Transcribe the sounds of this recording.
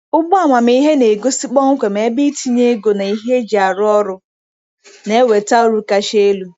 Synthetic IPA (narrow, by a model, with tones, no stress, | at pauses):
ʊ˦ɡ͡bɔ˦a˨mʷa˨m˦i˦ɦe˦ne˨ɡo˦sɪ˦k͡pɔ˦ŋ̩˦kʷe˨me˨˦bi˦tʰi˦ɲe˦ɡo˨na˨i˦ɦe˦d͡ʒa˨ɾʊ˦ɔ˦ɾʊ˦ | ne˦we˨ta˦o˦ɾu˦ka˦ʃe˦lu˦